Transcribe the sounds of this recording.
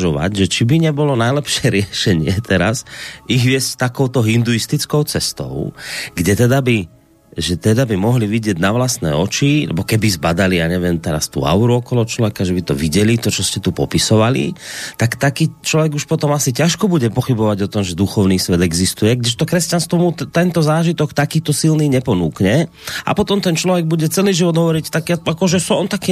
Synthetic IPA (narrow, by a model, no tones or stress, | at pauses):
ʒɔʋa̰ɟʒɛt͡ʃibiɲɛbɔlɔnajlɛpʃɪɛɾɪɛʃɛɲɪɛt̪ʰɛɾasiɣʋɪɛsct̪akɔʊt̪ɔɦind̪uist̪it͡skɔʊt͡sɛst̪ɔ̰ʊɡɟɛt̪ɛd̪abi | ʒɛt̪ɛd̪abimɔɦliʋiɟɪɛɟnaʋlast̪nɛ̰ːɔt͡ʃilɛ̰bɔkɛbizbad̪aliaɲɛʋɪɛmt̪ɛɾast̪ṵːa̰ʊɾuɔkɔlɔɦɔt͡ʃlɔʋɛkaʒɛbit̪ɔʋiɟɛlit̪ɔt͡ʃɔscɛt̪upɔ̰pisɔʋalḭt̪akt̪akiːt͡ʃlɔʋɛɡuʃpɔt̪ɔmasicaʃkɔbuɟɛpɔxibɔʋaɟɔt̪ɔmʒɛd̪uxɔʊniːsʋɛd̪ɛɡzist̪ujɛɡdɛʃt̪ɔkɾɛscanst̪ʋɔmut̪ɛnt̪ɔzaːʒit̪ɔkt̪akiːt̪ɔsilniːɲɛpɔnuːkɲɛ | a̰pɔt̪ɔmt̪ɛnt͡ʃlɔʋɛɡ̚buɟɛt͡sɛliːʒiʋɔd̪ɦɔʋɔɾict̪akiaakɔʒɛsɔɔnt̪aki